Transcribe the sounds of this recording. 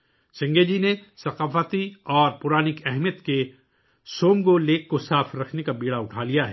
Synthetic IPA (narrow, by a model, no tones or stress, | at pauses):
sɐ̃ŋɡeːd͡ʒinesɐqaːfət̪iɔːɾpʊɾaːnɪkɛɦmijət̪ke | soːmɡoleːkːosaːfɾɐkʰnekabiːɽaʊʈʰaːlijaɦɛː